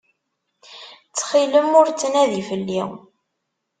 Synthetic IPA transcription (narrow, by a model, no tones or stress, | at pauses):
t͡sːχiləmʊɾt͡sːənæðifəlːḭ